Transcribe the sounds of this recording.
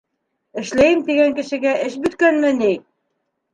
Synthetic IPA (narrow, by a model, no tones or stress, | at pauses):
ɘ̆ʃlæjɘmt̪iɡæŋkɘ̆ʃɘ̆ɡæʔɘʃbɵ̆t̪kænmɘnij